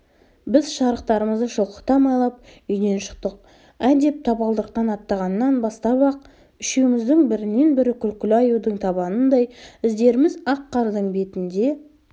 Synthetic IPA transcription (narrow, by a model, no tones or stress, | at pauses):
bɪzʃɑɾəqt̪ɑɾəməzd̪əʃəlˠqə̥t̪ɑmɑjlˠɑp̚ʏjne̞nʃə̥qt̪əq̚ | æd̪e̞p̚t̪ʰɑbɑlˠd̪əqːɑnɑt̪ːɑʁɑnːɑnbɑst̪ɑbɑq̚ | ʏʃewmɪzd̪ɪŋbɪɾɪnːe̞nbɪɾɪkʲʰʏlkʲɪlɑjud̪əɴt̪ʰɑbɑnənd̪ɑjɪzd̪e̞ɾɪmɪzɑqʰːɑɾd̪əɴbe̞t̪ɪnd̪e̞